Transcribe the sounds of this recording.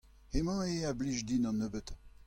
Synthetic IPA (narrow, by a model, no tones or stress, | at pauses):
emãeabliʒd̪inɔ̃nøbət̪